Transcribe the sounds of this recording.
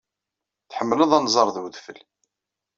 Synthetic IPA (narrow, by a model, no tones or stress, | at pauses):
θħəmːləðˤænzˤɑɾˤðwðfə̰l